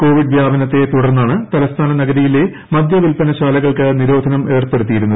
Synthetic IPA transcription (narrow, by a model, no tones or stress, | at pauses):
ko̞ːʋiɖʋjaːbɐnɐt̪ːe̞t̪uɽɐrnːaːɳɨt̪ɐlɐst̪ʰaːnɐnɐɡɐɾijile | mɐd̪ʱjɐʋilpɐnɐɕaːlɐɣɐɭkɨniɾo̞ːd̪ʱɐnɐme̞ːrpe̞ɽut̪ːijiɾunːɐð